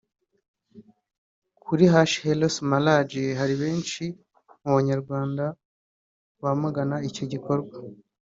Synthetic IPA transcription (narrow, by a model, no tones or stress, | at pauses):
kʰuɾiɦaʃhelosmalad͡ʒiɦaɾiβe̞ːnʃi | muβaɲaɾɡwaːnda | βamuɡanaico̞ɟikʰo̞ɾɡwa